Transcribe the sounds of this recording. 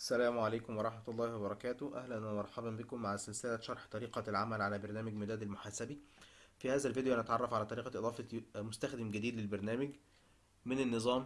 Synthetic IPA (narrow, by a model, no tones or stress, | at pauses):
ʔæsːælæːmʕalæjːkomwɑɾˤɑħmæt̪ɑlˤːɑːhwɑbɑɾˤɑkæːt̪ʊhʔæ̰hlænwæmɑɾˤħɑbæmbekomːaʕaselselæʃɑɾˤħt̪ˤɑɾiːqɑlʕamælʕalæbɑɾˤnæːmæɡmed̪æːd̪ælmoħaːsæbifihæːzælvid̪ejʔænæt̪ʕɑrˤːɑfʕalæːt̪ˤɑɾiːqɑʔed̪ˤɑːfɑmost̪æxd̪emɡæd̪iːd̪lelbɑɾˤnæːmæɡ | mɪnenːɨzˤɑːm